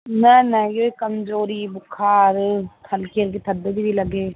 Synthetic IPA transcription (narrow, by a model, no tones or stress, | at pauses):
nɛnɛjoikəmzoːɾibʊkʰaːɾt̪ʰɐlkiəɾket̪ʰɐd̪ːebʱibʱilɐɡeː